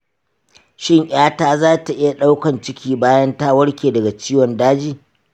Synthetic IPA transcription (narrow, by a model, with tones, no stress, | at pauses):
ʃɪ˦ŋʔʲaː˦taː˦zaː˦ta˨ʔɪ˦ja˨ɗa˦wkɐ˨nt͡ʃɪ˦kʲʰiː˦baː˦jɐ˦ntaː˦wɐ˦ɽkʲeː˨dɐ˨ɡa˨t͡ʃiː˦wɔ˨ndaː˦d͡ʒiː˦